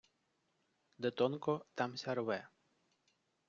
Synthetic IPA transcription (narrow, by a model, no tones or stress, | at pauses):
d̪et̪ɔnkɔt̪amsʲaɾwɛ